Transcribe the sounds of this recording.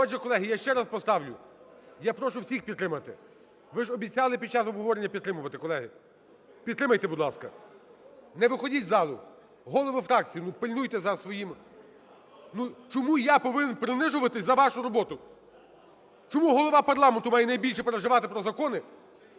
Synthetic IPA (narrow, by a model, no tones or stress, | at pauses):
ɔt͡ʃʲikɔlˠɛɦɪjaʃt͡ʃɛɾaspɔst̪ɑwlʲʊjapɾɔʃʊwsʲixpʲid̪ːɾɪmɐt̪ɪ̰ | ʋɪʒɔbʲit͡sʲɑlˠɪpʲid̚t͡ʃɑsɔbɦɔʋɔɾenʲːɐpʲid̪t̪ɾɪmʊʋɐt̪ɪkɔlˠɛɦɪ | pʲid̪t̪ːɾɪmɐjt̪ɛbʊd̪lˠɑskɐ | nɛʋɪxɔdʲitʲzɑlˠʊ | ɦɔlˠɔʋɪfɾɑk̚t͡sʲijʊnupɪlʲnujt̪ɛzɐsʋɔjim | nut͡ʃɔmujapɔʋɪnenpɾɪnɪʒʊʋɐt̪ɪsʲzɐʋɑʃʊɾɔbɔt̪ʊ | t͡ʃɔmuɦɔlˠɔʋɑpɐrlˠɑment̪ʊmɑjɛnɐjbʲilʲʃɛpeɾeʒɪʋɑt̪ɪpɾɔzɐkɔnɪ